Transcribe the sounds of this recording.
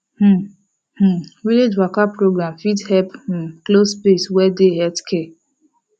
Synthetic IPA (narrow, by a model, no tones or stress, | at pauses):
h̩ | h̩wiled͡ʒwakapːɾoɡɾãmfidhɛp̩klospeswɛdeɦɛtkʰɛ